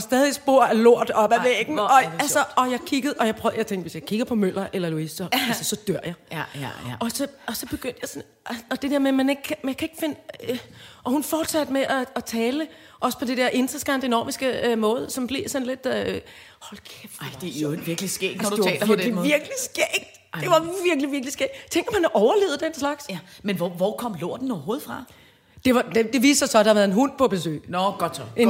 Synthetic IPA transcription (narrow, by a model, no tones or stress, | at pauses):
sd̥ɛːð̞ˠisb̥o̝ɐ̰ælo̝ɐ̰d̥ɒ̽b̥æʋeɡ̥n̩ɒ̽ælsɐɒ̽jɑ̈ɪkʰiɡ̥əð̩ˠʔɒ̽jɑ̈ɪpʰʁɔ̰jaɪt͡sʰeŋɡd̥ʋe̝sjɑ̈ɪkʰiɡ̥ɐpʰɒ̽møl̰ɐʔelɐluisd̥ɐælsəsɒ̽d̥øɐ̰jɑ̈ɪ | ɒ̽sɒ̽ɒ̽sɒ̽b̥e̝ɡ̥øn̰d̥jɑaɪsɒn | ɒ̽d̥e̝d̥eɐ̰memæne̝ɡ̥kʰmænkʰæe̝ɡ̥fe̝nə | ʔɒ̽hunfɒːd̥sæd̥meʔæːt͡sʰɛːlə | ʔɒ̽sə̥pʰɒ̽d̥ed̥eɐ̰ʔe̝nd̥ʁɐsɡ̥ɑnd̥enɒ̰ːmisɡ̥əømɔ̽ːð̞ˠsɒ̽mb̥le̝sɒ̽nle̝d̥ | hɒlkʰefd̥eʋiɐɡ̥lisɡ̥ḛːɡ̥nd̥ut͡sʰɛ̰ːɐɒdemɔ̽ʋiɐɡ̥lisɡ̥ɛːɡ̥̚d̥d̥e̝ʋɑ̈ʋiɐɡ̥liʋiɐɡ̥lisɡ̥ɛ̰ːɡt͡sʰeŋ̰ɡ̥ɐmænɒʔɒʊɐle̝ːʊð̩ˠd̥enslɑ̈ɡ̥smenʋɒʋɒkʰɒ̽m̰lo̝ɐ̰d̥n̩ɒʊɐɦo̝ːð̞̩ˠfʁɑ̈ | d̥e̝ʋɑ̈d̥ed̥e̝ʋḭːsɑsɒ̽d̥ɑhɑɐʋæɐðˠenɦun̰pʰɒb̥e̝sø̰ːɪnɔɡ̥ɒd̥t͡sʰɒen